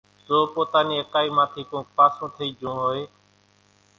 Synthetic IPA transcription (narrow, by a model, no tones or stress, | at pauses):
soːpoːt̪aːniːəkaːiːmãːt̪ʰiːkõːpaːsũːt̪ʰəiːd͡ʒʱũːɦoːeː